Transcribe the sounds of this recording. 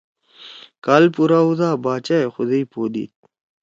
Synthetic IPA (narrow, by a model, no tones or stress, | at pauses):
kaːlpuɾaud̪aːbaːt͡ɕaexʊd̪eipoːd̪ḭːt̪̚